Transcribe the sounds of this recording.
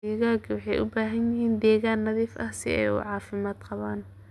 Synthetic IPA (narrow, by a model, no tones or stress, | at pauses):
ɛɣaːɡʰwɑħɑjʔʊ̰baːɦɐnjɪɦiːnd̪ɛːɣaːnːɐðiːfɐhsɪ̰ɛ̰jʊ̰ʕɑːfɪmaːd̪qɑβaːn